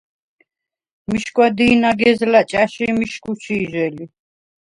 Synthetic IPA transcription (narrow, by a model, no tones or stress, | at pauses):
miʃkʼwad̪iːnaɡɛzlat͡ʃʼaʃimiʃkʰʼuʃʰiːʒɛli